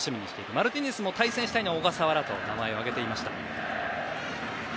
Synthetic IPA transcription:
ɕimʲiɲ̟iɕi̥t̪e̞iɾɯ̟maɾɯ̟t̪ʲiɲ̟esɨmo̞t̪aisẽɕi̥t̪ainoaoɡasaβaɾat̪o̞̰namae̞o̞aɡe̞t̪e̞imaɕi̥t̪a

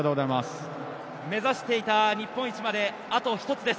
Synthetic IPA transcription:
t̪oːɡozaimas | me̞zaɕi̥t̪e̞it̪aɲ̟ipːõ̞it͡ɕimad̪e̞ | at̪o̞çi̥t̪o̞t͡sɨd̪e̞s

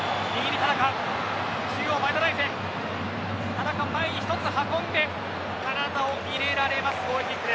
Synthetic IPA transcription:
ɲʲiɡʲinʲit̪ad̪akã | ɕiɡʲoːbaet̪aɾait̪e | t̪ad̪akamːaeɲiçi̥t̪o̞t͡sɨhakõ̞nd̪e̞ | kaɾad̪ao̞mʲiɾe̞ɾaɾe̞masɨ̥koːeikɯɾe

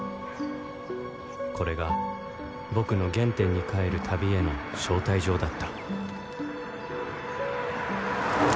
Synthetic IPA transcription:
kʰo̞ɾe̞ɡa | bo̞kɯ̟no̞ɡẽ̞nt̪ẽ̞ɲ̟ːikae̞ɾɯ̟t̪ʰabʲie̞no̞ɕo̞ːt̪aiʑo̞ːd̪at̪ːḁ

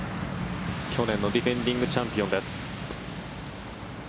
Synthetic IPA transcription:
kʲʰo̞nẽ̞nːo̞d̪ʲiɸẽ̞ɲd̪ʲĩŋɡɯ̟t͡ɕãmpʲijond̪esɨ̥

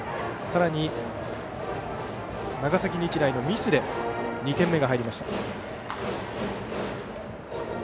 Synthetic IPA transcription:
saɾaɲ̟i | naɡasakʲiɲʲit͡ɕiɾaino̞mʲisɨd̪e̞ɲ̟it̪ẽ̞mːe̞ɡaɦaiɾʲimaɕi̥t̪ḁ

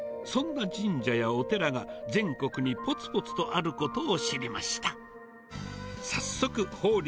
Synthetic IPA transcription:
sõ̞nːad͡ʑĩɲd͡ʑajao̞t̪e̞ɾaɡad͡zẽ̞ŋko̞kɯ̟ɲ̟ipo̞t͡sɨ̥po̞t͡sɨ̥t̪o̞ʔaɾɯ̟ko̞t̪o̞ːɕiɾʲimaɕi̥t̪a | sasːo̞kɯ̟ho̞ːɾʲ

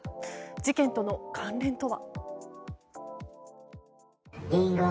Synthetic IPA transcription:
d͡ʑikẽ̞nt̪o̞no̞kʰãnɾẽ̞nt̪o̞βa̰ | eɾa

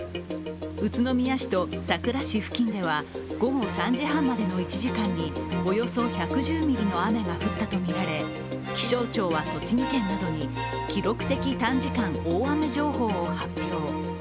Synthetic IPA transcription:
ɯ̟t͡sɨno̞mʲijaɕi̥t̪o̞sakɯ̟ɾaɕiɸɯ̟̥kʲĩnd̪e̞β̞a | ɡ̥o̞ɡo̞sãɲ̟d͡ʑiɦãmːad̪e̞no̞it͡ɕiʑikãɲ̟ːio̞jo̞so̞çakɯ̟ʑɨːmʲiɾʲino̞ame̞ɡaɸɯ̟t̪ːat̪o̞mʲiɾaɾe̞ | kʲi̥ɕo̞ːt͡ɕo̞ːβaso̞t͡ɕiɲik̪ẽ̞nːad̪o̞ɲ̟i | kʲiɾo̞kɯ̟̥t̪e̞kʲit̪ãɲ̟d͡ʑikãŋoːame̞ʑo̞ːho̞ːhapʲːjo̞ː

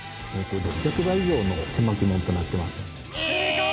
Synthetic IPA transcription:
et̪od̪oɡʲakɯ̟βaiʑo̞ːno̞̰sẽ̞mːakɯ̟mẽ̞nt̪o̞nat̪ːe̞masɨ̥

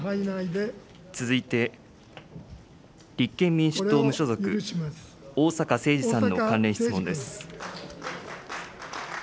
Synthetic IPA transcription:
t͡sɨzɨit̪e̞ | ɾʲikːẽ̞mːʲĩɰ̃ɕi̥ɨ̥toːmɯ̟ɕo̞zo̞kɯ̟ | oːsakase̞ːd͡ʑisãnːo̞kãnɾẽ̞çit͡sɨmond̪esɨ̥

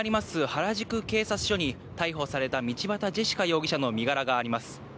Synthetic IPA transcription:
ɾʲimasɨhaɾaʑikɯ̟ke̞ːsat͡sɨ̥ɕo̞ɲ̟i | t̪aiɦo̞saɾe̞t̪amʲit͡ɕibat̪ad͡ʑeɕi̥kajo̞ːɡʲiɕano̞mʲiɡaɾaɡaːɾʲimasɨ̥

